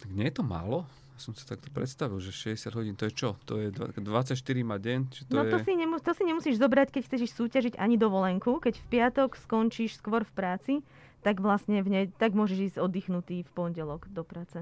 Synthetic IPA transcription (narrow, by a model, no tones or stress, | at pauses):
t̪aɡɲɛjɛt̪ɔma̰ːlɔ | jasɔmsi̥t̪akt̪ɔ̥pɾɛ̰t̪st̪aʋilʒɛʃɛzɟɛsad̪ɦɔɟiːnt̪ɔjɛt͡ʃɔt̪ɔjɛd̪ad̪ʋat͡sacʃt̪iɾimaɟɛɲt͡ʃɛt̪nɔɔjɛt̪ɔsiɲɛmut̪ɔsiɲɛmusiːʒzɔbɾackɛcxt͡sɛcɛʃsuːcaʒiɟa̰ɲid̪ɔʋɔlɛŋkukɛcfpɪat̪ɔkskɔnt͡ʃiːʃskʋɔɾfpɾaːt͡si | t̪aɡʋlasɲɛvɲɛt̪aɡmʊɔʒɛʒiːzɟɔd̪ːiːxnut̪iːfpɔnɟɛlɔɡd̪ɔpɾaːt͡sɛ